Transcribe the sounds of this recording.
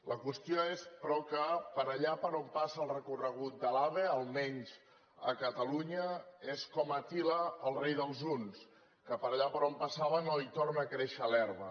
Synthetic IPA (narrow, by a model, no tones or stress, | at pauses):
ləkwəst̪ioespɾɔkəpəɾəʎapəɾompasəlˠrəkurəɣ̞ut̪̚d̪əlaβeəlˠmɛɲz | ə̰kət̪əluɲəeskɔmət̪iləəlˠrejðəlˠzuns | kəpəɾəʎapəɾompəsaβənoit̪ornəːkɾeʃəːlɛɾβə